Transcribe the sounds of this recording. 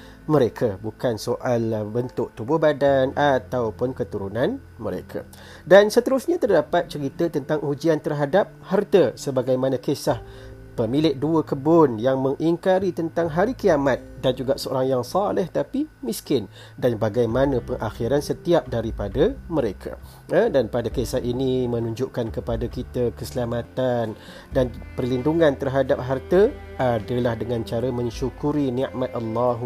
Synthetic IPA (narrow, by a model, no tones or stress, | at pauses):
mə̃ɾekʰabukansoʔalbənt̪ʊʔ̚t̪ubʊhbadanʔat̪awpʊnkət̪uɾunãn | məɾḛkʰa̰ | dansət̪əɾʊsɲat̪ərdapat̪̚t͡ʃəɾit̪ət̪ənt̪aŋud͡ʒiant̪ərɦadap̚hart̪əsəbaɡajmanãkesah | pəmilɪʔ̚duəkəbʊnjaŋməŋʔiŋkaɾit̪ənt̪aŋɦaɾikiamat̪̚dand͡ʒuɡaʔsəo̰ɾaŋjaŋsɑlɛht̪apimiskɪn | danbaɡajmanəpəŋʔaxiɾansət̪iap̚daɾipadaməɾekʰa̰ | ədanpadakesahinimənuɲd͡ʒʊʔkankəpadakit̪əkəsəlamat̪an | danpərlinduŋant̪ərɦadap̚ɦart̪ə | ʔadəlahdəŋãnt͡ʃaɾəmə̃ɲʃukuɾiniʔmat̪̚ʔalːaɦ